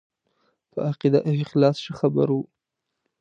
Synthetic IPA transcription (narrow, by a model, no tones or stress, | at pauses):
pəaqid̪aʔɪɪxlɑsʃəxaba̰ɾwu